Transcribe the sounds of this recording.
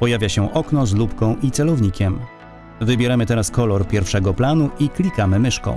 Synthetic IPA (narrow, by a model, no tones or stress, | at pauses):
pɔjavʲjaɕɛʔɔknɔzlupkɔ̃w̃ʔit̪sɛlɔvɲikʲɛm | vɘbʲjɛɾamɘt̪ɛɾaskɔlɔɾpʲjɛɾfʂɛɡɔplanuʔiklʲikamɘmɘʂkɔ̰̃